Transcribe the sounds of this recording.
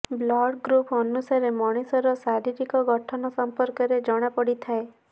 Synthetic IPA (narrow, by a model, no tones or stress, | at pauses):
blɔɽɡɾupɔnusaɾemɔɽ̃isɔɾɔsaɾiʈikɔɡɔʈʰɔnɔsɔmpɔɾkɔɾed͡ʒɔɽ̃apɔɽit̪ʰae